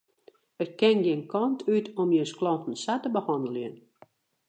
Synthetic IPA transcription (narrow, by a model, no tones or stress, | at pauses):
ət̚kɛnɡɪnkʰɔntʰytʰɔmjənsklɔntən̩satəbəhɔndəljən